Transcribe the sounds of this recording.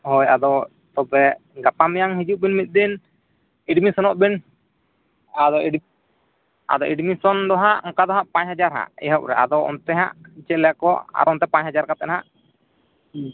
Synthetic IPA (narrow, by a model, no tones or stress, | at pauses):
hɔjad̪ɔ | t̪ɔbɛɡapamɛjaŋɦid͡ʒuʔ̚binmit̪̚ˀd̪in | iɖmisɔnɔʔbin | ad̪ɔiɖ | a̰d̪ɔʔiɖmisɔnd̪ɔɦaʔɔŋkad̪ɔɦaʔpãɲhad͡ʒaɾɦa̰ʔɛ̰ɦɔʔɾɛ̰a̰d̪ɔɔ̰nt̪ɛɦa̰ʔit͡ʃɛlɛjakɔʔa̰ɾɔnt̪ɛpaɲhad͡ʒaɾkat̪ɛnɦaʔ